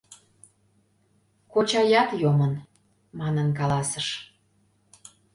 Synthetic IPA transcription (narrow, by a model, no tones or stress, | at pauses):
kot͡ɕɑjɑt̪jomən | mɑnənkɑlɑsəʃ